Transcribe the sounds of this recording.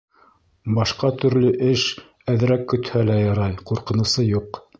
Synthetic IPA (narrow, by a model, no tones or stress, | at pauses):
bɑʃqɑt̪ɵ̆ɾlɵʔɘʃ | æðɘ̆ɾækːɵ̆t̪hælæjɑɾɑjquɾqɤ̆nɤ̆wsɤjuq